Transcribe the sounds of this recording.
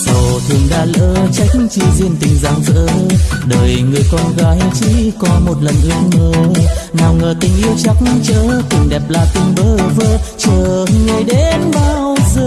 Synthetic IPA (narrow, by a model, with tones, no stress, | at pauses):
t̪o˨˩t̪ʰɨ˨˩əŋɗaː˧˩lə̰ː˧t͡ɕa˧˦jk̚ŋt͡ɕi˧zi˧ənt̪ï˨˩ŋ̟zaː˨˩ŋzə̰ː˧˥ɗəː˨˩jŋɨ˨˩əjkɔ˧nɣaː˨˦jt͡ɕḭ˧˥kɔ˨˦mo˨˩t̚lə˨˩nʔɨ˦˥ək̚məː˧˩naː˨˩wŋəː˨˩t̪ï˨˩ŋ̟ʔi˧əwt͡ɕa˧˦wk͡p̚mt͡ɕəː˧˦k̪ʊ˨˩ŋ͡mɗɛ˨˩p̚laː˨˩t̪ï˨˧˩ŋ̟ɓəː˧˦vəː˧˦t͡ɕəː˧˩ŋə˨˧˩jɗe˨˦nɓaː˧wwzəː˧